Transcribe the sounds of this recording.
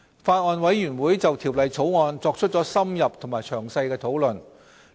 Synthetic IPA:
faː˧t̚ŋɔː˨˧nwɐ˨˥jɥyː˨˩nwuː˨˥jt͡sɐ˨wt̪ʰiː˨˩wlɐ˨jt͡sʰo˨˥wŋɔː˧nt͡sɔː˧k̚t͡ʃʰɵ˥t̚t͡sɔː˨˥sɐ˥mjɐ˨p̚t̪ʰo˨˩ŋmaː˨˩jt͡ʃʰœː˨˩ŋsɐ˧jkɛː˧t̪ʰo˨˥wlɵ˨˩n

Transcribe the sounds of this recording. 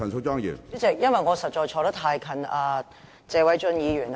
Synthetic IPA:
ɐ˨˩nsʰo˧˥t͡ɕɑ˥˩ŋjḭ˨˩˥t͡sɛː˨˩k̚jɐ˥nwɐ˨jŋɔː˨˧sɐ˨t̚t͡ʃɔː˧jt͡ʃʰɔː˧ɾɐ˥t̪ʰaː˧jkʰɐ˨naː˨˩ | t͡sɛː˨˧wɐ˨˥jt͡sɵ˧njiː˨˧jyː˨˩n

